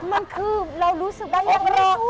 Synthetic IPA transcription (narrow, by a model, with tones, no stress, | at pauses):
ma˧nkʰɯː˧ɾa˧wɾuː˦˥sɯ˨˩k̚daː˧˩la˧˩k̚ɾɔː˧˩